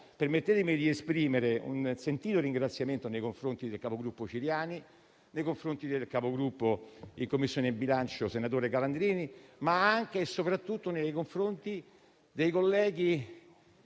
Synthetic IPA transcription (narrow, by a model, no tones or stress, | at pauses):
permet̪ːet̪emid̪iespɾiːmeɾeṵnsent̪iːt̪oriŋɡɾat̪sːjament̪onejkoɱfɾont̪id̪elkapoɡɾupːot͡ʃiɾjaːni | nejkoɱfɾont̪id̪elkapoɡɾupːoiŋkomːisːjoːnebilant͡ʃosenat̪̬oːɾekaland̪ɾiːnimaaŋk̟esopɾat̪ːut̪ːonejkoɱfɾont̪i | d̪ejkolːɛːɡ̟i